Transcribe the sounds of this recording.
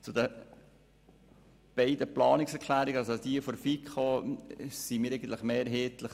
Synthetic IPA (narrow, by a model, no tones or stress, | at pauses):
t͡sʊd̪ə | b̥ɛɪd̪əplɑːnɪksɛɾkʰlæːɾiɡəɑlsod̪iəfɔɾfikʰo | simiːɾɛɪɡən̩t̪ləχmeːɾɦɛt̪ləχ